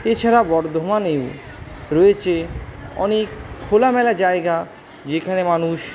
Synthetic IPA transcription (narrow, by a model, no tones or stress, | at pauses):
et͡ɕʰaɾabɔɾd̪ʱomanew | ɾoet͡ɕʰeɔ̰nekʰːolamɛlad͡ʑaeɡa | d͡ʑekʰanemanuʃ